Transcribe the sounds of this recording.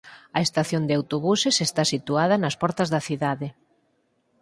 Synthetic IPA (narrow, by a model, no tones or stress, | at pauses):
ɐest̪aθjond̪eawt̪oβusesest̪asit̪uaðɐnɐspɔɾt̪ɐzðɐθiðaðɪ